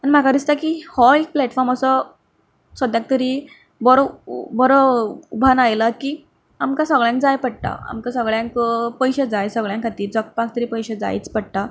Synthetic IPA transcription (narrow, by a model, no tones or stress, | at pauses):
anim̤akad̪ist̪akiːhɔik̚plɛʈfɔɾməsɔ | sʋəd̪jãk̚t̪əɾiː | bɔɾbɔɾɔubʱanajlakiː | amkasəɡɭjãŋk̚d͡zajpəɽt̪a̰a̰mkasəɡɭjãŋkpəjɕed͡zajsəɡɭjãŋkʰat̪iːɾd͡zɔk̚pakʰt̪əɾiːpəjɕed͡za̰j̰t͡spəɽ̚t̪a